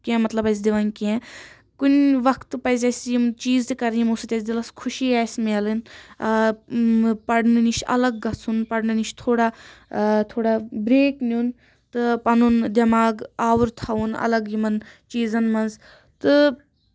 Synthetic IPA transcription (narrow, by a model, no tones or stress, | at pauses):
kʲẽmɐt̪lɐbɐs̬ʲd̪iʋanʲkẽ | kunʲʋɐkʰt̪pɐjzʲɐjsʲjimt͡ʃiːzt̪ikɐɾiimuːsɐt̪ʲɐːsʲd̪ilɐskʰʊʃiːaːjsmeːlɨn | pɐɽnɨniʃɐ̰lɐɡːɐsʰunpɐɽnɨniʃt̪ʰoːɽaː | t̪ʰoːɽaːbɾeːknun | t̪ɨpɐnund̪ʲɐmaːɡaːwɾt̪ʰaunɐ̰lɐɡjimɐnt͡ʃiːzɐnmɐnz | t̪ɨ